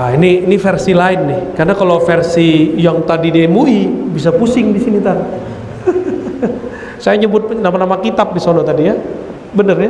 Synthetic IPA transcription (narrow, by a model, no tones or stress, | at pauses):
ainiːnifɛrsilaɪnnɪhkarnakalofɛrsijaŋt̪adidemuibis̬apusɪŋdisinit̪an | sajaɲəbʊt̪̚namanamakit̪ap̚disonot̪adija | bənərja